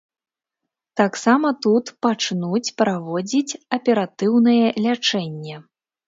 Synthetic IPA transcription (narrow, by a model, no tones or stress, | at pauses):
t̪aksamɐt̪ut̪pat͡ʂnut͡sʲpɾavɔd͡zʲit͡sʲɐpʲɛɾat̪ɨwnɨjɛlʲat͡ʂɛnʲːɛ